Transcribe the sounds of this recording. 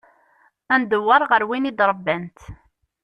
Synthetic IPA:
ænd̪əwːɑɾˤʁəɾwinid̪ɾˤəbːænt̪

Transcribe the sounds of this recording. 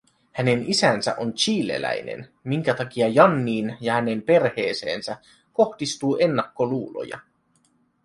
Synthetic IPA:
hæne̞nisænsæ̰ʔont͡ʃiːlḛlæ̰jnḛnmiŋk̟æt̪ɑk̟iɑjɑnːiːnjɑhæne̞mpe̞rhe̞ːse̞̰ːnsæ | ko̞hd̥ist̪uːʔe̞nːɑkːo̞luːlo̞̰jɑ̰

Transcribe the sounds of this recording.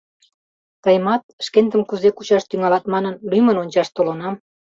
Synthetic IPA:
t̪ɑjmɑt̪̚ʃkent̪əmkuzekut͡ɕɑʃt̪yŋɑlɑt̪mɑnənlyjmənonʲt͡ɕɑʃt̪olonɑm

